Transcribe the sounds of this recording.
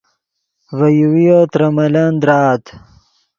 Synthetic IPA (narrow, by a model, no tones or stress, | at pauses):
vɐjuwijot̪ɾɐmɐland̪ɾaːt̪